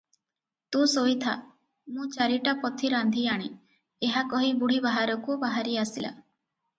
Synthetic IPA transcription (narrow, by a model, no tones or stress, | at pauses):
t̪ũsojt̪ʰa̰ | mũt͡ʃaɾiʈapɔt̪ʰiɾand̪ʱiaɽ̃e | eɦakɔɦibuɽ̤ibaɦaɾɔkubaɦaɾiasila̰